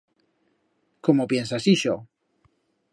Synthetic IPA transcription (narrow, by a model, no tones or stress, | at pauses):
komopje̞nsasiʃo